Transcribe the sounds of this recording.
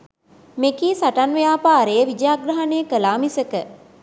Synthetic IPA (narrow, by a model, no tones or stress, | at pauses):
mekiːsaʈanʋejaːpaːɾejəʋid͡ʒjaɡɾɐɦaneəkəlaːmisəkə